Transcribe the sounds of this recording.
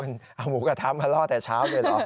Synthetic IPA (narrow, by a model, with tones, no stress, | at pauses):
nʔaː˨˧˩wmu˨˦kaː˧˩t̪ʰaː˨˦maː˧˩lɔː˧˩t̪ɛː˨˩t͡ɕʰaː˨˦˥wləː˨˩lɔ˧˥